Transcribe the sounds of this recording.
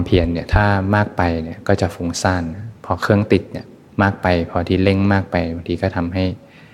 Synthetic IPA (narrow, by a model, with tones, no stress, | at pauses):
mpʰi˧˩ənːi˧˩ɐt̪ʰaː˥˩maː˥˩k̚pa˧jni˧˩ɐkɔː˥˩t͡ɕa˨˩fuː˨˧˦ŋsaː˧˩nːa˦˥pʰɔ˧kʰɯ˥˩əŋt̪i˨˩t̪̚ni˧˩ə | maː˥˩k̚pa˧jpʰɔː˧t̪ʰiː˧le˥˩ŋmaː˥˩k̚pa˧jba˨˧ŋt̪ʰiː˧kɔː˥˩t̪ʰa˧mɦa˥˩j